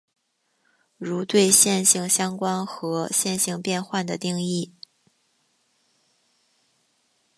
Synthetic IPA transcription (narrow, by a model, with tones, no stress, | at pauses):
ɻu˧˥t̪we˥˧ɪɕjɛ˥˧nɕi˥˩ŋɕjɑ˥ŋkwa˥nxɤ˧˥ɕjɛ˥˧nɕi˥˧ŋpjɛ˥˧nxwa˥˩nd̪ə˩t̪i˥˧ŋi˥˩